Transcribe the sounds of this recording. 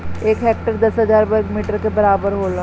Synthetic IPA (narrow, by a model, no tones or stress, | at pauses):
eːkɦɛːk̚ʈəɾd̪ɐsɦəzaːɾbəɾɡmiːʈəɾkebɐɾaːbəɾɦoːlaː